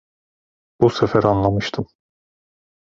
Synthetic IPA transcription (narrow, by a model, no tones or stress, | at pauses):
b̥usefæɾɑnlˠɑmɯʃt̪ʰɯm